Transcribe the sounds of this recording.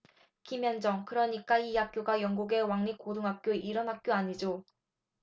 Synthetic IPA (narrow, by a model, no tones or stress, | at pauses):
kimjʌnd͡ʑʌŋkɯɾʌɲik͈aihak̚k͈joɡajʌŋɡuɡe̞waŋɲik͈oduŋɦak̚k͈joʔiɾʌnɦak̚k͈joaɲid͡ʑo